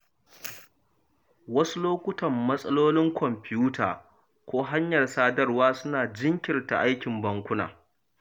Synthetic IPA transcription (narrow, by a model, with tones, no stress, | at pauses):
wɐ˦su˦loː˦kʷʊ˦tɐ˨mːɐ˦sʼɐ˦loː˦lɪ˦ŋkʷʰɔ˨mpʲɪ˦juː˦tʰaː˨ | kʷoː˦ɦa˦ɲjɐ˨rsaː˦dɐ˦rwaː˦sʊ˦naː˨d͡ʒɪ˦ŋkʲɪ˨rta̰˨ʔa˦jkʲɪ˨mbɐ˦ŋkʷʊ˦na̰ː˨